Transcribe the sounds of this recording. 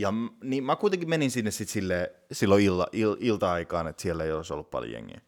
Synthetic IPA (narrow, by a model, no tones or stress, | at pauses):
jɑniːmækuit̪eŋkimeninsinːessit̪silːeː | silːoilːɑ̰ʔililt̪ɑɑikɑːnet̪sielːeijoliso̰lːuppɑ̰lj̰ḛŋːḛæ